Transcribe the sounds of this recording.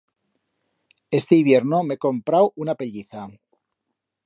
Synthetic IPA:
e̞st̪e̞iβjeɾno̞me̞ko̞mpɾawunape̞ʎiθa

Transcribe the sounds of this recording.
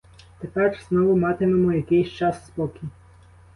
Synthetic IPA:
t̪epɛrz̥nɔʋʊmɑt̪ememɔjɐkɪjsʲt͡ʃɑsːpɔkʲi

